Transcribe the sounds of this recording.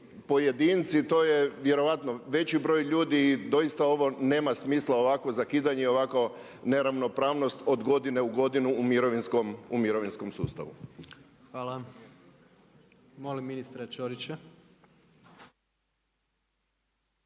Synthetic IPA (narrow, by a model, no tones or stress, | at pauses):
po̞jed̪int̪sit̪o̞ːje̞ʋje̞ɾo̞ʋat̪noʋe̞t͡ɕibɾo̞ːjʎuːd̪id̪o̞jist̪ao̞ʋo̞ne̞ːmasmiːslˠao̞ʋakʋo̞zakiːd̪aɲeio̞ʋako | ne̞ɾaʋno̞pɾaːʋno̞st̪o̞d̪ɡo̞d̪ine̞uɡo̞d̪inuːmiɾoʋinskomumiɾo̞ʋinsko̞msuːst̪a̰ʋṵ | xʋaːlˠa | molimːinist̪ɾat͡ʃoɾit͡ɕa